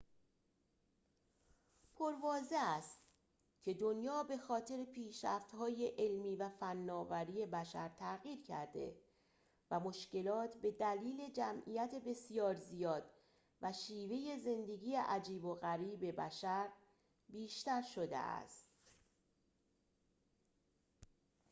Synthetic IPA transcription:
pʰoɾvɒːze̞æst̪ | cʲʰe̞d̪o̞njɒːbe̞xɒːt̪ʰe̞ɾepʰiːʃɾæ̰ft̪hɒːje̞ʔelmiːvæfænːɒːvæɾiːje̞bæʃæɾt̪ʰæɣiːɾcʰæ̰ɾd̪e̞̰ | væmo̞ʃce̞lɒːt̪ʰbe̞d̪æliːle̞d͡ʒæmʔḭːjæt̪ʰe̞be̞sijɒːɾzijɒːd̪ | væʃiːve̞je̞ze̞nd̪e̞ɡiːje̞ʔæd͡ʒiːboɣæɾiːbe̞bæʃæɾ | biːʃt̪æɾʃo̞d̪ḛʔæ̰st̪

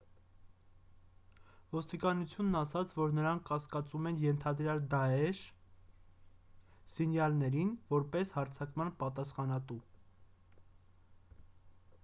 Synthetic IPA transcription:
vɔst̪ikɑnut͡sʰjunːɑsɑt͡sʰvɔɾnəɾɑŋkʰːɑskɑt͡sumɛnjɛnt̪ʰɑd̪ɾjɑld̪ɑɛʃ | sinjɑlnɛɾinvɔɾpɛshɑɾt͡sʰɑkmɑnpɑt̪ɑsχɑnɑt̪u

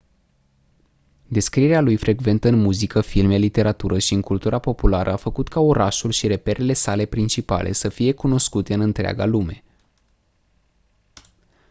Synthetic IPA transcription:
d̪e̞skɾieɾealujfɾʔe̞ɡve̞nt̪əɨnmuzikəfilmelit̪e̞ɾat̪uɾəʃiɨŋkult̪uɾapo̞pulaɾʔəafəkut̪kaoɾaʃulʃiɾe̞pe̞ɾʔe̞le̞sale̞pɾint͡ʃipa̰lʔe̞̰səfije̞kuno̞skut̪e̞ɨnɨnt̪ɾea̰ɡa̰lume̞

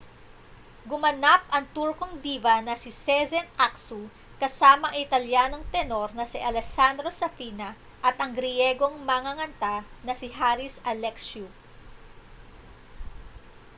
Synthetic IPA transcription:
ɡʊmɐnap̚ʔɐŋt̪uɾko̞ŋd̪iːvɐnɐsɪsɛzɛnaksu | kɐsaːmɐʔŋʔɪt̪ɐljaːno̞ŋt̪ɛno̞ɾnɐsiʔɐlɛsand̪ɾo̞sɐfiːnɐ | ʔɐt̪ʔɐŋɡɾɪjɛːɡo̞ŋmɐŋɐŋɐnt̪anɐsɪɦaːɾɪsɐlɛksu

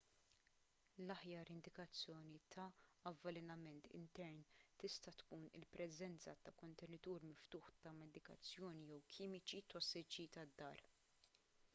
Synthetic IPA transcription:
lɐħjɐːɾɪnd̪ɪkɐt͡sːjɔːnit̪ʰɐːvːɐlɛnɐmɛnt̪ʰɪ̰nt̪ɛɾnt̪ɪst̪ɐt̪kuːnɪlpɾʔɛzɛnt͡sɐt̪ɐkɔnt̪ɛnɪt̪uːɾmɪft̪uːħt̪ɐmɛd̪ɪkɐ̰t͡sːjɔːnijɛwkʰiːmɪt͡ʃit̪ɔsːɪt͡ʃit̪ɐd̪ːɐ̰ːɾ

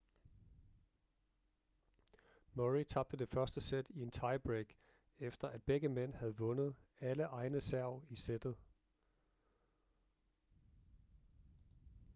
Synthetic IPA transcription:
moʁit͡sʰɑ̈b̥̚d̥əd̥e̝fɶɐsd̥əsed̥ie̝nt͡sʰɑ̈ɪb̥ʁeɡ̥ | efd̥ɐʔæd̥̚b̥eɡ̥əmen̰hæð̞̩ˠʋɔ̽nð̞̩ˠæləʔɑ̈ɪnəsæɐʊ̰ised̥ð̞̩ˠ

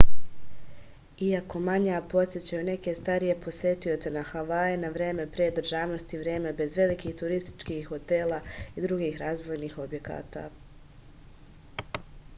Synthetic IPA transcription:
iako̞maɲapo̞t̪sʲjet͡ɕajune̞ke̞st̪aɾije̞pʰo̞sje̞t̪io̞t̪se̞naxaʋaenaʋɾje̞ːme̞pɾeːd̪ɾ̩ʒaːʋno̞st̪iʋɾje̞ːme̞be̞zʋe̞likiːht̪uɾist̪i̥t͡ʃkixho̞t̪eːlaid̪ɾuɡiːxɾaːzʋo̞jniːxo̞bje̞ka̰ːt̪a̰

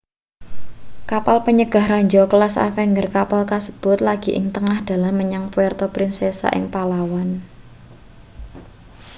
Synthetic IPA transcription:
kapalpəɲəɡ̥a̤hraɲd͡ʒɔkəlasa̰fɛŋɡərkapalkasə̥b̥ʊ̤t̪̚laɡ̥i̤ʔɪ̰ŋt̪əŋahd̪̥a̤lahməɲaŋpuwɛrt̪ɔpɾinsesa̰ʔɪ̰ŋpalawan

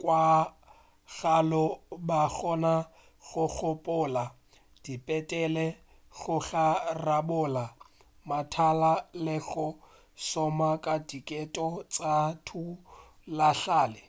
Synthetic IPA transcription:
kʼwa | ɣalɔbaɣɔna | ɣʊɣʊpʼʊːla | d̥ipʼɛtʼɛlɛ | ɣʊɣarabʊːla | matʰalalɪɣʊ | sɔmakʼadikʼɛtʼɔt͡sʼatʰu | laɬaːlɪ

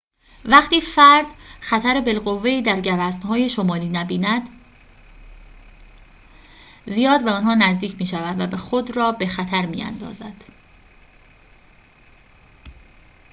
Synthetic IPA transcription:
væχt̪ʰiːfæɾd̪̥xæt̪ʰæɾebe̞lɢo̞vːe̞iːd̪æɾɟævæst̪hɒːjeʃo̞mɒːliːnæbiːnæd̪̥ | zijɒːd̪væɒnɦɒːnæzd̪iːcʰmiːʃævæd̪væbexo̞d̪rɒːbe̞xæt̪ʰæɾmḭːæ̰nd̪ɒ̰ːzæd̪̥

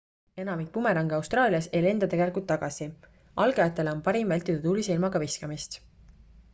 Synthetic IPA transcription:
e̞nɑmik̚pumeɾɑŋɡɑwst̪rɑːliɑsejle̞nd̪̥ɑt̪e̞ɡe̞likult̪ːɑɡ̥ɑsi | ʔɑlɡ̥eɑt̪ːˑe̞leo̞npɑɾimvælʲt̪ːˑid̪ud̪uːlisilmɑɡ̥ɑviskɑmist̪

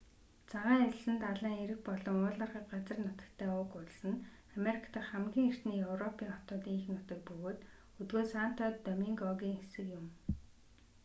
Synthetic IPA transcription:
t͡sʰaʁaːŋet͡ɕɪ̆sɘ̆nt̪aɮaːŋeɾɘ̆xpɔɮɞ̆ŋʊːɮărχə̆k̚ɢat͡sə̆rnɔt̪ə̥̆kt̪ʰæːʊːkʊɮsɘ̆n | ameɾikʰḁt̪ə̆χχæmɡʲiːŋer̥t̪niːjɵwrɔpʰiːŋχɔt̪ɔːt̪iːŋxɘ̆ŋʊt̪ɵ̆k̚pɵɣoːt̪ | ɵt̪ɡoːsaːn̥t̪ʰɔːt̪ːœmiːŋɡɔɣʲiːŋesɘ̆kjʊm

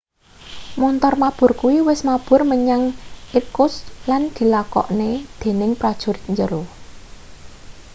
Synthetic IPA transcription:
mɔnt̪ɔrmab̥ʊ̤rkuwiwɪsmab̥ʊ̤rməɲaŋikʊsland̪̥i̤lakɔ̰ʔned̪̥e̤nɪŋpɾad̥ʒ̥ṳɾɪt̪̚ɲd͡ʒəɾo

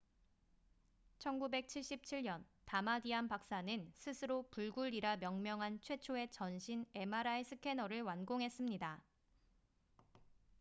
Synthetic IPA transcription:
t͡ɕʰʌnɡube̞k̚t͡ɕʰiɭɕ͈ip̚t͡ɕʰiɭɲʌntamadiampak̚s͈anɯnsʰɯsʰɯɾopuɭɡuɭiɾamjʌŋmjʌŋɦant͡ɕʰwe̞t͡ɕʰoe̞t͡ɕʌnɕʰine̞maɾaisʰɯkʰe̞nʌɾɯɭwanɡoŋɦe̞s͈ɯmɲida

